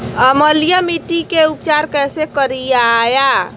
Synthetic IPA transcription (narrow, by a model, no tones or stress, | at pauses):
əməlijamiʈikeup̚t͡ʃaɾkɛːsekəɾijaja